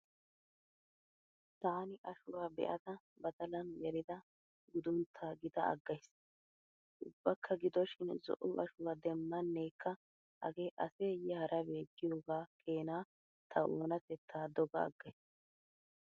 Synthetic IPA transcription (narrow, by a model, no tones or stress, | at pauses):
t̪aːnɪʔɐʃʊwaːbɛ̰ʔɐd̪ɐ | bɐd̪ɐlɐnɡɛɾɪd̪ɐ | ɡʊd̪ʊnt̪ʰːaːɡɪd̪ɐɐ̰ɡːɐjs | ʔʊbːɐkʰːɐɡɪd̪ɔʃɪnzɔ̰ʔʊʔɐʃʊwaːd̪ɛmːɐnːeːkʰːɐ | ʔɐ̰ɡeːʔɐseːjɛhɐɾʔɐbe̞ːɡːɪjoːɡaːke̞ːnaː | t̪ʰɐʔo̰ːnɐt̪ɛt̪ʰːaːd̪ɔɡɐɐ̰ɡːɐjs